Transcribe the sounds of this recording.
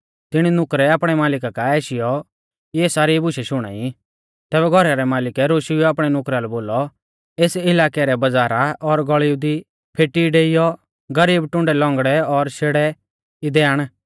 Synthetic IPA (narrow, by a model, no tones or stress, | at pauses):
t̪ɪɽ̃inʊkɾɛaːpɽ̃ɛmaːlɪkakaɛːʃɪjɔ | kieːsaːɾibʊʃɛʃʊɽ̃a̰ːi | t̪ɛːbɛɡʱɔɾaɾɛmaːlɪkɛɾoːʃuaːpɽ̃ɛnʊkɾalɛboːlɔ | eːsɪlaːkɛɾɛbɐd͡zaːɾaʔɔɾɡɔɭiud̪i | pʰeːʈiɖeːɪjɔ | ɡɐɾiːbʈʊ̃ɳɖɛlɔ̃ːŋɡɽɛɔɾʃeːɽɛ | id̪ɛːaɽ̃